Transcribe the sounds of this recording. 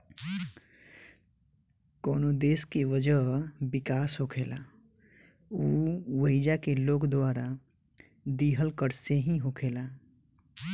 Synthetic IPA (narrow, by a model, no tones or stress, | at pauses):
koːnod̪eːskeʋəd͡ʒəbɪkaːsɦokʰeːla | uːwəɪd͡ʒakeloːkd̪waːɾa | d̪iːɦəlkəɾseɦĩɦokʰeːlaː